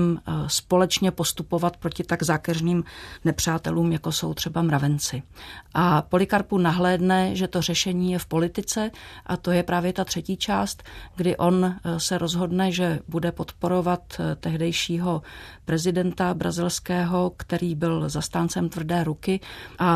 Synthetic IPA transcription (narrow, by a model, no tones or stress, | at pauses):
mspo̞lɛt͡ʃɲɛpo̞st̪upo̞vat̪̚pɾo̞cɪt̪aɡzaːkɛrniːmnɛpr̝̥aːt̪ɛ̰luːmjako̞so̞wt̪r̝̥ɛbamɾavɛnt͡sɪʔapo̞lɪkaɾpunaɦlɛːdnɛʒɛt̪o̞r̝ɛʃɛɲiːjɛfpo̞lɪt̪ɪt͡sɛʔat̪o̞jɛpɾaːvjɛt̪at̪r̥ɛciːt͡ʃaːst̪ɡdɪʔo̞nsɛɾo̞zɦo̞dnɛʒɛbudɛpo̞t̪po̞ɾo̞vat̪t̪ːɛɦdɛjʃiːɦo̞pɾɛzɪdɛnt̪abɾa̰zɪlskɛːɦo̞kt̪ɛɾiːbɪlzast̪aːnt͡sɛmt̪vr̩dɛːɾukɪʔa